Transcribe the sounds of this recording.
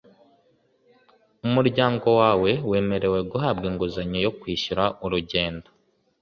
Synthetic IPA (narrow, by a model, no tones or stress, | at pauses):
umuɾɟaːŋɡo̞waːwe̞we̞ːme̞ɾe̞we̞ɡuɦaːbɡeːŋɡuzaɲojo̞kwiːʃuɾaʔuɾuɟe̞ːndo